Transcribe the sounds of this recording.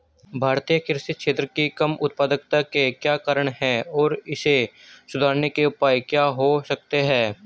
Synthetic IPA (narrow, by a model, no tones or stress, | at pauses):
bʱaːɾt̪ijəkɪɾʃɪt̪̚ʃʰeːt̪ɾəkikɐmʊt̪̚paːd̪ək̚t̪akekjaːkaːɾəɽ̃ɦɛɔːɾɪsesʊd̪ʱaːɾnekeʊpaːjkjaːɦosək̚t̪eɦɛ̃ː